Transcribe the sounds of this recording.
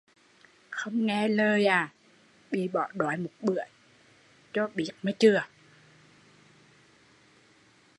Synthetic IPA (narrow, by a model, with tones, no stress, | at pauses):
xo˧wŋ͡mŋɛ˧˩ləː˧jʔaː˨˩ | ɓi˧˩ɓɔ̰ː˨˩˦ɗɔ˨˦jmu˨˩˦t̚ɓɨ˨˩˦əj | t͡ɕɔ˧˩ɓi˨˦ət̚maː˧˩jt͡ɕɨ˧˩ə